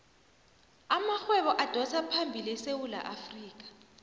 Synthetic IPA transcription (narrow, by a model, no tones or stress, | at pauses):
amaxwɛβɔʔad̥ʱɔsʰapʰambʱilisewula̰ʔafriːk̬ʼḁ